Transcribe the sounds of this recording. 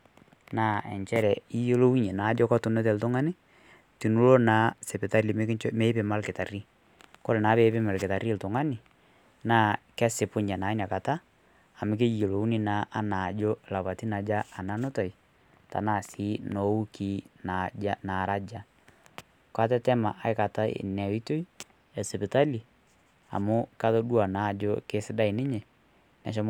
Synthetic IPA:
naː˦ɛ̰˨nt͡ʃɛ˦ɾɛ˨i˦jo˦lo˦wu˦ɲe˨na˨˦d͡ʒɔ˦kɔ˦tu˨nɛ˦tɛ˨ltʊ˦ŋa˦ni˦ | ti˨nu˦lo˦na˨˦se˨pɪ˨ta˦ɾi˨m˦kt͡ʃme˦pe˨ma˦lkɪ˨ta˨ri˦ | ko˦le˨na˨˦βeː˨˦pɪ˦ma˨lkɪ˨ta˨ri˦ltʊ˨ŋa˦nɪ˨ | naː˦kɛ˦se˨pʊ˦ɲa˨na˨i˦na˨ka˨taː˦˨ | mɪ˦k̬e˦ji˨lo˨u˦ni˦na˨˦ʔa˦na˨d͡ʒo˦˨la˨βa˨ti˦na˨d͡ʒaː˦˨na˦no˦ta˨i˨ | ta̰˨na˨si˦no˨˦u˦ki˦na˦na˨ɾa˦d͡ʒa˦ | kwa˦t̬ɛ˦tɛ˦ma̰˨ʔa˨ɪ˦ka˨ta˦ḛ˨nɛ˨˦i˦to˦i˦ | ɛ˨se˨pɪ˨ta˦li˨ | a̰˨mo˦ka˦ðo˦dwa˨na˨˦˨d͡ʒo˦ke˦sɪ˦da˦i˨nɪ˦ɲe˨ | nɛ̰˨ʃ̬ɔ˦m

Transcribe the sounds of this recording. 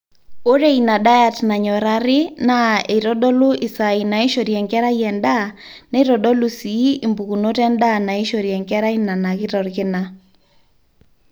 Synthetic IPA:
o˦ɾe˦ina˨ɗa˦ja˨tna˨ɲɔ˨ɾaɾɪ˦nae˨ɾɔ˦ɗɔ˦lu˦ʔɪ˨sa˨i˨na˨i˦ʃo˨ɾjɛ˨ŋkɛ˦ɾa˦jɛ˨nda˦ | na˦i˦ɾɔ˨ɗɔ˦lusi˨˦i˨mbu˨ku˨no˦tɛ˦nda˦na˨i˦ʃo˨ɾjɛ˨ŋkɛ˦ɾa˦i˦na˨na˨kɪ˦ɾɔ˨ɾkɪna˦

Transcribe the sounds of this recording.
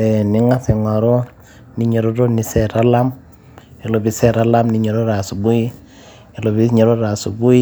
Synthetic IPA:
e˨ni˦ŋa˦se˨ŋa˨ɾo˦ | ni˦ɲe˨ɾo˦ɾo˦ni˨sɛ˨ɾa˦la˦m | i˨lo˨bi˨sɛ˦ɾa˦la˦mni˨ɲe˨ɾo˦ɾa˨su˨bu˦i˦ | e˨lo˨bi˦ɲe˨ɾo˦ta˨su˨bu˦i˦

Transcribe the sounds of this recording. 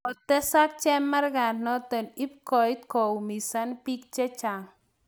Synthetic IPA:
ɔ˨t̪ɛ˦sa˦k̚t͡ʃɛ˦mːa˦rɡa˨nnɔ˦t̪ɔ˨ni˦p̚kɔ˨it̪̚ko˨wmi˨sa˦npi˦k̚t͡ʃɛ˦t͡ʃa˨ŋ

